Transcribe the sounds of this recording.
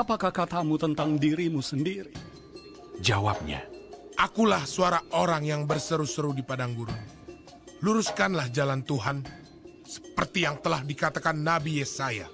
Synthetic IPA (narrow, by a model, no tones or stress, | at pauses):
apakahkat̪amut̪ənt̪aŋdiɾimusəndiɾi | d͡ʒawa̰p̚ɲa̰ | ʔakulahsuaɾaʔoɾaŋjaŋbərsəɾusəɾudipadaŋɡuɾuŋ | luɾuskanlahd͡ʒalant̪uɦan | sə̥pərt̪ijaŋt̪əlahdikat̪akanːabijesaja̰